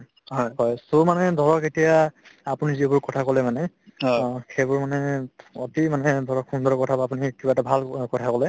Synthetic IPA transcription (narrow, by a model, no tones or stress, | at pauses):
ɦɔjhɔjsomanɛdʱɔɹɔketijaapʊnizibʊɹkɔtʰakɔlɛmanɛ | xejbʊɹmanɛotimanɛdʱɔɹɔkxundɔɹkɔtʰabaapunikibatabʱalkɔtʰakɔlɛ